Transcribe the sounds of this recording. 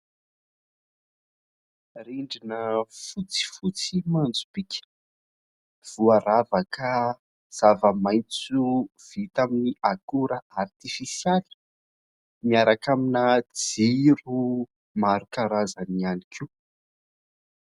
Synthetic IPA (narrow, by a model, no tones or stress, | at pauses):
riɳɖ͡ʐinəfut͡si̥fut͡simand͡zub̥ikʲə̥ | v̥uaɾavəkʰa | z̥avəmajnt͡suv̥it̪aminiakuɾəart̪ifisjali̥ | miaɾakaminad͡ziɾu | maɾukaɾazanianikʰi